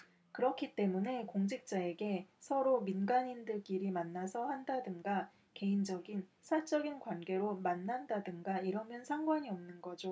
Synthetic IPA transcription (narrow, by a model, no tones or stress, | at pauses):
kɯɾʌkʰit͈e̞mune̞koŋd͡ʑʰik̚t͡ɕ͈ae̞ɡe̞sʰʌɾominɡaɲindɯɭk͈iɾimanːasʰʌhandadɯŋɡa | ke̞ind͡ʑʌɡinsʰaɭt͡ɕ͈ʌɡinkwanɡe̞ɾomanːandadɯŋɡaiɾʌmjʌnsʰaŋɡwaɲiʌmnɯnɡʌd͡ʑo